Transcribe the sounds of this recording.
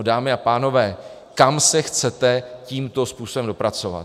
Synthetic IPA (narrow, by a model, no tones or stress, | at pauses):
daːmɪapaːno̞vɛː | kamsɛxt͡sɛt̪ɛciːmt̪o̞spuːsobɛmdo̞pɾat͡so̞va̰